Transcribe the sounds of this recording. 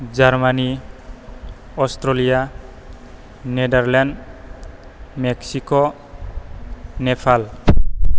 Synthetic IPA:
d͡ʒaɾmani | ɔstɾolija | nedaɾlɛnɖ | meksiko | nepʰal

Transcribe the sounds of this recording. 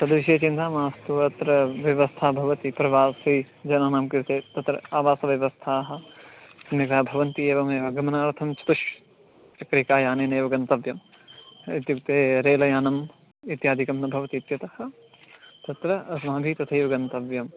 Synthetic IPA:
t̪ɐd̪ʋiʃeːt͡ʃind̪aːmaːst̪uʋɐɐt̪ɾɐʋjɐʋɐst̪ʰaːbʱɐʋɐt̪ipɾɐʋaːsi | d͡ʒɐnaːnaːmkiɾt̪eːt̪ɐt̪ɾɐ̰aːʋaːsɐʋjɐʋɐst̪ʰaːɦɐ̆snikaːbʱɐʋɐnt̪ieːʋɐmeːʋɐɡɐmɐnaːɾt̪ʰɐmt͡ʃɐ̥t̪uʃ | t͡ʃɐkɾikaːjaːneːneːʋɐɡɐnt̪ɐʋjɐm | it̪juk̚t̪eːɾeːlɐjaːnɐm | it̪jaːd̪ʱikɐmnɐbʱɐʋɐt̪iːt̪jɐt̪ɐhɐ | t̪ɐt̪ɾɐɐsnaːb̪ʱiːt̪ɐt̪ʰɐːʋɐɡɐnt̪ɐʋjɐm

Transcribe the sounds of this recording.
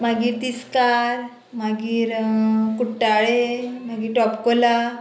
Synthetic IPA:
m̤aɡiːɾt̪iskaɾ | maɡiːɾkuʈːaɭemaɡiːʈɔpkola

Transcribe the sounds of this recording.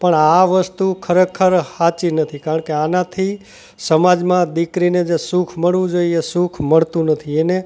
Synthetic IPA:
pəɳaʋəst̪ukʰəɾekʰəɾhat͡ʃinət̪ʰikaɾəɳkeanãt̪ʰi | səmad͡ʒmãd̪ikɾined͡ʒesukʰməɽʋũd͡ʒoiesukʰməɭt̪ũnət̪ʰiene

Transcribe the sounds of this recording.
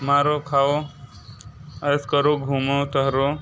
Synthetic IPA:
maːɾokʰao | əjskəɾoɡʱuːmot̪əɦɾo

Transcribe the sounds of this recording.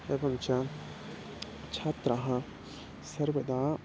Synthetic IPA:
ebɐmt͡ʃa | t͡ʃʰaːt̪ɾaɦã | sɐɾbɐd̪aː

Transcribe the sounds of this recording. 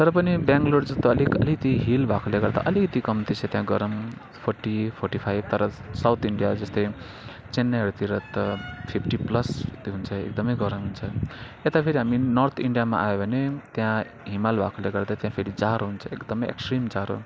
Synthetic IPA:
t̪ʌɾʌpʌnibjãŋɡloɖd͡zʌst̪oʌlikʌlikt̪iɦilbʱakoleɡʌrd̪a̰ʔʌlikʌt̪ikʌmt̪it͡sʰʌt̪jãɡʌɾʌm | pʰorʈipʰorʈipʰajb̚t̪ʌɾʌsawt̪ʰiɳɖijad͡zʌst̪ʌj | t͡senːaɦʌɾut̪iɾʌt̪ʌpʰipʰʈiplʌst̪ɦunt͡sʰʌḛk̚d̪ʌmʌjɡʌɾʌmɦunt͡sʰʌ | et̪apʰeɾiɦaminʌrt̪ʰiɳɖijamaʔajobʱʌnet̪jã | ɦimalbʱakoleɡʌrd̪at̪jãpʰeɾid͡zaɾoɦunt͡sʰʌekd̪ʌmʌjḛksʈrimd͡zaɾo

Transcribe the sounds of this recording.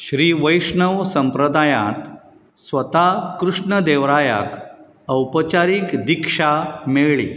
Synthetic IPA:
ɕɾiːʋəjʂɳəʋsəmpɾəd̪ajã̰t̪ | sʋət̪akɾuʂɳəd̪eʋɾaja̰k | əwpət͡ɕaɾiːkd̪ikʂameɭɭḭ

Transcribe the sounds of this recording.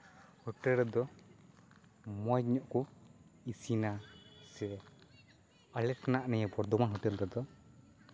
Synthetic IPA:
hɔʈɛlɾɛd̪ɔ | mɔɲɔʔkɔisinasɛ | alɛtʰnaʔnɛɲɛpɔɾd̪ɔmanɦɔʈɛlɾɛd̪ɔ

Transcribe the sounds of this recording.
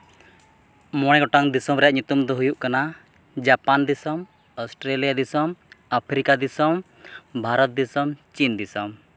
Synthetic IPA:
mɔɽ̃ɛɡɔʈaŋd̪isɔmɾɛjaʔɲut̪umd̪ɔɦujuʔkana | d͡ʒapand̪isɔm | ɔsʈɾelijad̪isɔmapʰɾikad̪isɔm | bʱaɾɔt̪̚d̪isɔmt͡ʃind̪isɔm

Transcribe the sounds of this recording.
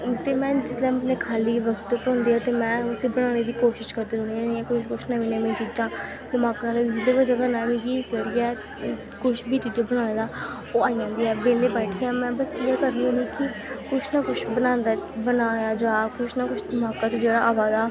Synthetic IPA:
t̪eːmɛ̃ːd͡ʒɪslɛ̃ːəneːkʰaːliːʋəkt̪ːpɾɔ̃ːnd̪iːaːt̪eːmɛ̃ːʊseːbənãːneːd̪iːkoːʃɪʃkəɾd̪eːɾoːniːnĩɛ̃ːkʊt͡ʃkʊt͡ʃʰnaːʋiːnẽːmẽːt͡ʃiːd͡ʒãː | d̪əmaːkalːd͡ʒɪd̪eːʋəd͡ʒaɡəɾnaːmĩːkiːt͡ʃəɽiɛː | kʊʃʰbiːt͡ʃiːd͡ʒãːbəñãːneːd̪aː | oːaːijãːnd̪iːɛːbeːleːbɛːʈʰeːãːmɛ̃ːbəsiɛːkəɾnĩːũniːkɪkʊt͡ʃʰnaːkʊt͡ʃʰbənãːnd̪aːbənaːjaːd͡ʒaːkʊʃʰnaːkʊt͡ʃʰd̪əmaːkaːt͡ʃd͡ʒeːɽaːʔaːʋaːd̪aː

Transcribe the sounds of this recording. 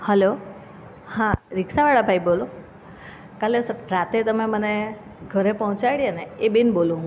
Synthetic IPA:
həlo | hãɾɪksaʋaɽabʱaibolo | kalesɾat̪et̪əmeməne | ɡʱəɾepɔɦɔ̃t͡ʃaɽijeneebinbolũɦ

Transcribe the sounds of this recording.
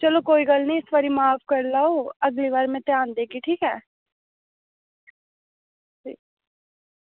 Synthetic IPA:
t͡ʃəloːkoːiːɡəlnĩːɪsʋaːɾiːmaːpʰkəɾlaːoːəɡliːʋaːɾmɛ̃ːt̪ɪjãːnd̪eːkiːʈʰiːkɛː | d͡ʒiː

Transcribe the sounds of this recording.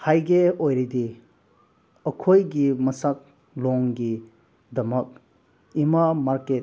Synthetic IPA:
hajɡeojɾidi | ɐkʰojɡimɐsak̚ | lɔŋɡi | dɐmək̚ | imamaɾket

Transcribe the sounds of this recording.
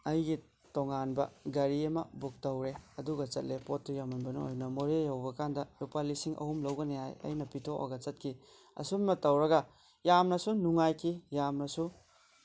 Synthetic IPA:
ɐjɡi | tɔŋanbɐ̰ɡɐɾiɐmɐ̰buk̚tɐwɾeɐduɡɐt͡ʃɐt̚lepotːujamɐnbɐnṵo̰jnɐmoɾejawbɐkandɐlupalisiŋʔɐ̰humlɐwɡɐneha̰jɐ̰jnɐpitʰoʔo̰ɡɐt͡ʃɐt̚kʰi | ɐ̰summɐtɐwɾɐɡɐ | jamnɐsunuŋajkʰijamnɐsu

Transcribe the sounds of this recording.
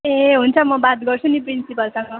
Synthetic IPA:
eɦunt͡sʰʌmʌbat̪̚ɡʌrt͡sʰuniprinsipʌlsʌŋɡʌ

